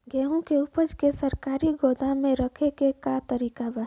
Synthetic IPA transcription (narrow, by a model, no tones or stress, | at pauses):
ɡɛːɦõkeʊpəd͡ʒkesəɾkaːɾiɡoːd̪amẽɾəkʰekekat̪əɾiːkaba